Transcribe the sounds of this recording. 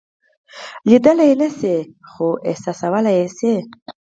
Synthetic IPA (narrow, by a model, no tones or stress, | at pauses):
lid̪əlajnasexoʔɪ̰hsɑsawəlajese